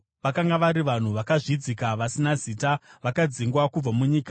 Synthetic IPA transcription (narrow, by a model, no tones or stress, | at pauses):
ʋakaŋɡaʋaɾiʋan̤uʋakaʐid͡zikaʋasinaziːtaʋakad͡ziŋɡwakub͡vamuɲiːkḁ